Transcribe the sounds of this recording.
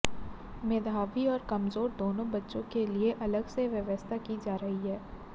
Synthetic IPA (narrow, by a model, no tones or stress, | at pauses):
meːd̪ʱaːʋiɔːɾkɐmzoːɾd̪oːnõbɐtːʃõkelieʔɐləɡseʋjɐʋəst̪ʰakid͡ʒaːɾɐɦiɦɛː